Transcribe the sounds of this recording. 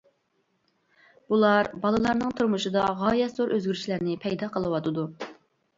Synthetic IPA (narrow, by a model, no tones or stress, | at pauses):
b̥ulˠɑɾbɑlˠɨlˠɑɾnɨŋt̪ʰuɾmuʃɨd̪ɑʁɑːjɛt̪zoɾʔøzɡʲyɾyʃlæɾnɪpʰɛjd̪ɑqʰəlˠɨwɑt̪ʰɨd̪u